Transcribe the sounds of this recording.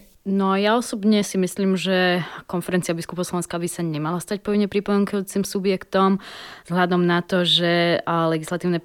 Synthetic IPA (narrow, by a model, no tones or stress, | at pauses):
nɔjaɔsɔbɲɛsimisliːmʒɛkɔnfɛɾɛnt͡siabiskupɔʊslɔʋɛnskabisaɲɛmalast̪ac̚pɔʋiɲɛpɾipɔmɛŋkɔjuːt͡simsubjɛkt̪ɔmz̥ɦlʎad̪ɔmnat̪ɔʒɛlɛɡislat̪iːʊnɛ